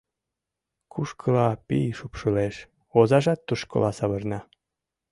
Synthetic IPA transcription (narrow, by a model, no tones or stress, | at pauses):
kuʃkʰəlɑpijʃupʃəleʃ | ozɑʒɑt̪ːuʃko̰lɑsɑβɤ̆rnɑ